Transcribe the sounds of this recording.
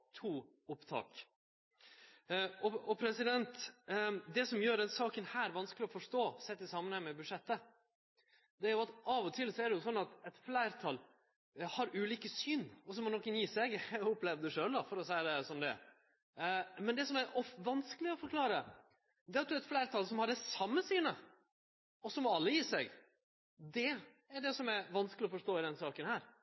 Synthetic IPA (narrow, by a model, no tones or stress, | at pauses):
t̪ʰuː | ʊpt̪ʰɑ̰ːk | ɔɔpʰɾɛsɪd̪ɛnt̪ | d̪ɛsɔmjøːɾd̪ɛnsɑːkənhæːɾʋɑnsklɪɔfɔʂt̪oːsɛt̪ːɪsɑmːənhɑŋmɛbʉd̪ʂɛt̪ːə | d̪ɛæɾjʊɑt̪ɑʋɔt̪ʰɪlsɔæd̪ɛjʊsɔnːɑt̪ɛt̪flæɪɾt̪ʰɑl | hɑɾʉːliːkəsyːnɔsɔmːɔnɔkːənjiːsɛɡʊpːlɛʋd̪d̪ʉʂøːld̪ɑfɔɾɔsæɪd̪ɛsɔmd̪ɛ̰ | mɛnd̪ɛsɔmæɾɔfʋɑnskəlɪɔfɔɾkʰlɑːɾə | d̪ɛːɑt̪̚d̪ʉɛt̪flæɪɾt̪ʰɑlsɔmhɑɖɛsɑmːəsyːnə | ɔsɔmɔɑlːəjiːsɛɡ | d̪ɛ | æɖɛsɔmæɾʋɑnskəlɪɔfɔʂʈoːɪd̪ɛnsɑːkənhæːɾ